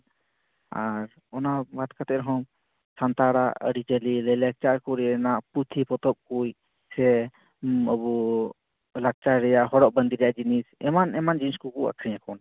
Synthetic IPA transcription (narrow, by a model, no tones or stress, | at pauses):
aɾ | ɔnabat̪kat̪ɛɾɔɦɔm | sant̪aɾaə̰ɽit͡ʃəlilɛlɛk̚t͡ʃaɾkɔɾɛnaʔput̪ʰipɔt̪ɔp̚kuj | sɛ | əbɔ | lak̚t͡ʃaɾɛjaʔɦɔɽɔʔ̚bənd̪ʱiɾɛjaʔd͡ʒinisɛmanɛmand͡ʒiniskukua̰kʰɾijãkʰɔn